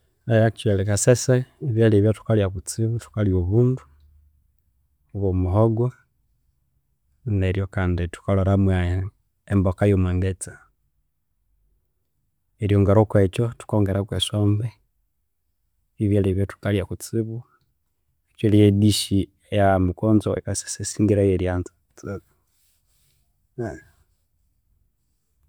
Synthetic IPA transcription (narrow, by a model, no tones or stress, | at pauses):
ajakt͡ʃwɛlekaseseiβaliβjatu̥kaljakut͡siβutu̥kaljoβuːndu̥ | βomuɦoɡwa | neɾjokaːnditu̥koloɾamwa | embokajomwaŋɡet͡sa | eɾjoŋɡaɾokweːt͡ʃotu̥koːŋɡeɾakwesoːmbe | βiβjaliβjotu̥kalijakut͡siβu | t͡ʃelijediʃi | ejamikoːnzoḛkasi̥sesiːŋɡiɾajeɾjanzḁ | t͡si